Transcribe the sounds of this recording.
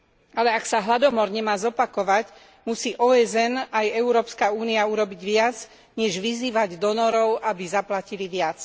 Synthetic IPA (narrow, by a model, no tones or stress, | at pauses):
alɛaksaɦlad̪ɔmɔɾɲɛmaːzɔpakɔʋac | musiːʔɔːɛzɛnajɛʊɾɔːpskauːniauɾɔbiɟʋɪat͡s | ɲɛʒʋiziːʋaɟd̪ɔnɔɾɔʊʔabizaplaciliʋɪat͡s